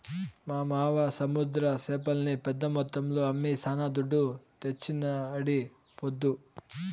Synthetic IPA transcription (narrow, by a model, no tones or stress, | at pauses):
maːmaːʋɐsɐmud̪ɾɐseːpɐlnipɛd̪ːɐmɔt̪ːɐmluɐmːisʰaːnaːd̪uɖːut̪et͡ʃːinɐːɽi | pod̪ːu